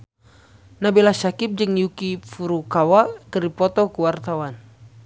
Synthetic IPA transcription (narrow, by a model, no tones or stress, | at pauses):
nabilasakip̚d͡ʒəŋjukifuɾukawakəripɔt̪ɔkuwart̪awan